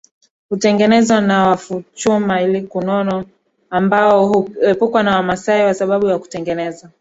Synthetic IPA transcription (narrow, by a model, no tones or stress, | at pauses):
hutɛŋɡɛnɛzwanawafut͡ʃumailikunɔnɔ | ambaɔhuɛpukwanawamasaiwasaɓaɓujaku̥tɛŋɡɛnɛza